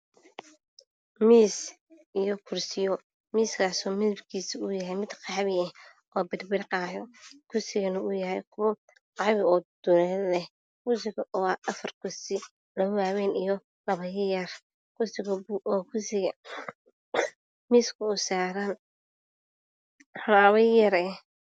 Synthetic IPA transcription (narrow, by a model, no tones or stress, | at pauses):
miːs | ijɔkʰʊrsɪjɔ | miːskʰaːsɔːmɪlbkʰiːsɪʊjɐɦɛjmɪd̪qɑħβɪɛh | ʔɔːbɪd̪bɪɾqɑːjɔkʰʊrsɪɣɐnɐʊjɐɦɛjkʰʊβɐ | qɑβɪɔːd̪̥ʊlɛlɛh | kʊsɪɣɐʔɔʔɐfɐrkʰʊsɪ | lɐʊwaːwɛːnijɔ | lɐβɐjjɐr | kʰʊsɪɣɐbʔɔːkʰʊsɪɣɐ | miːskʰʊʊsaːɾan | lɐβɐjɐɾɛ